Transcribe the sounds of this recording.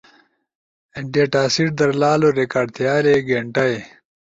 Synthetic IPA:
eɳɖijeʈaːsiʈ̚d̪ɐɾlaːloɾekaːɖt̪ʰjaːleɡeɳʈɐj

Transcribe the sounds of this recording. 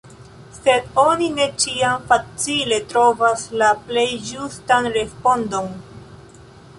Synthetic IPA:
se̞do̞nine̞t͡ʃiamfat͡sile̞tɾo̞vaslaple̞jd͡ʒustanɾe̞spo̞ndo̞n

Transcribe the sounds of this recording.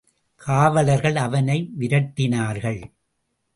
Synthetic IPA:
kʰaːʋɐlɐɾɣɐɭɐʋɐnɐɪʋɪɾɐʈːɪnaːɾɣɐɭ

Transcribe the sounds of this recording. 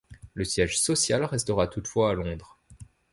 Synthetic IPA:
ləsjɛʒsɔsjalʁɛst̪əʁat̪ut̪fwaːlɔ̃d̪ʁ

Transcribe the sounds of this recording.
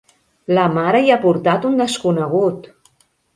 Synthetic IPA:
ləmaɾəjapuɾt̪at̪und̪əskunəɣ̞ut̪

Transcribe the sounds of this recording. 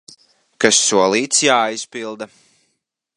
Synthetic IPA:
kasːuɔlˠiːt̪sjaːispilˠd̪a

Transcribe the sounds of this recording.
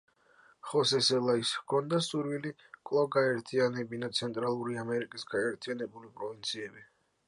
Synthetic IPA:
χɔsɛsɛlˠaiskʰɔnd̪asuɾwili | kʼlˠavɡaɛɾt̪ʰianɛbinat̪sʰɛnt̪ʼɾalˠuɾiamɛɾikʼisɡaɛɾt̪ʰianɛbulipʼɾɔvint̪sʰiɛbi

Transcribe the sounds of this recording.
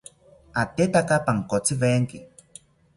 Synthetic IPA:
at̪et̪akapaŋkot͡siβeŋki

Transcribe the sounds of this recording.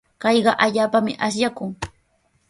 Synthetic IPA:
kɑjɢɑʔaʎaːpamɪ̰ʔasjakʊŋ

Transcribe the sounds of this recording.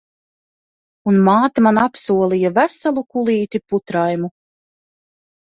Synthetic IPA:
unmaːt̪amanapsuɔlˠijavæsalˠukulˠiːt̪iput̪ɾajmu

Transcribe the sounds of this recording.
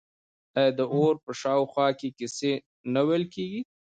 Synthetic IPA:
t̪ɑjɑd̪əʔoɾpəʃɑwxwɑkekɪse | nawelkeɡi

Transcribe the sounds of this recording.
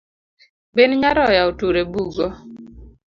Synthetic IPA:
benɲaɾɔjaotuɾebuɡo

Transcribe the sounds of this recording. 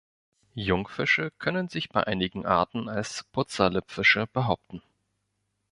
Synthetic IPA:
jʊŋfɪʃəkʰœnənzɪçb̥aɪʔaɪnɪɡŋ̩ʔa̰ɐtn̩alspʰʊt͡sɐlɪpfɪʃəb̥əɦaʊp̚tn̩

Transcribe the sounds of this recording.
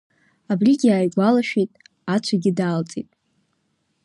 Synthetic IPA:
abrʲiɡʲiaːjɡʷalaʃᶣejtʼ | at͡ʃʷʰaɡʲɪdaːlt͡sʼḭtʼ

